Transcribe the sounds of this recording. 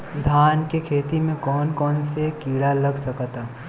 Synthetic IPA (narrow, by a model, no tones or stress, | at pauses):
d̪ʱaːnkekʰeːt̪imẽkɔːnkɔːnsekiːɽaləɡsəkt̪a